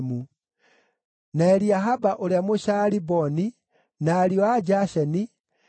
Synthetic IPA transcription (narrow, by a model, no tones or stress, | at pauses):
mu | naɛɾiaɦabaʔoljamoʃalibɔni | naːɾiɔaɟaʃɛni